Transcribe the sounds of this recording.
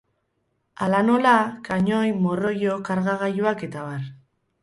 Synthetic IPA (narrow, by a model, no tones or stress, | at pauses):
alano̞lakaɲojmoro̞jokaɾɣaɣajuake̞t̪aβaɾ